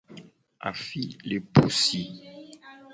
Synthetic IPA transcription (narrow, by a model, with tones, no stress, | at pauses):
a̰˨fi˦le˨po˨si˦